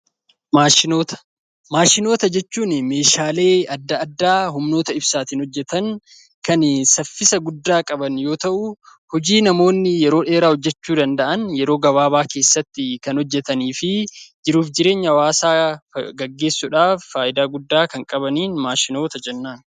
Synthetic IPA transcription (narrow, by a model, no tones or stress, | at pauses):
maːʃɪnoːt̪ɐ̥ | maːʃɪno̞ːt̪ɐd͡ʒɛt͡ʃːuːnme̞ːʃaːle̞ːɐd̪ːɐɐd̪ːaːɦʊmnoːt̪ɐɪbsaːt̪ɪnhɔd͡ʒːɛt̪ɐŋ | kɐnsɐfːɪsɐɡʊd̪ːaːkʼɐbɐnjo̞ːt̪ɐʔʊhɔd͡ʒiːnɐmo̞ːnːɪjɛɾo̞ːᶑe̞ːɾaːhɔd͡ʒːɛt͡ʃːuːd̪ɐnd̪ɐʔɐnjɛɾo̞ːɡɐβaːbaːke̞ːsːɐt̪ːɪkɐnhɔd͡ʒːɛt̪ɐniːfɪd͡ʒɪɾuːfd͡ʒɪɾe̞ːɲːɐwaːsaːɡɐɡːe̞ːsːʊᶑaːfːaːʔɪd̪aːɡʊd̪ːaːkɐŋkʼɐbɐniːnmaːʃɪno̞ːt̪ɐd͡ʒɛnːaːn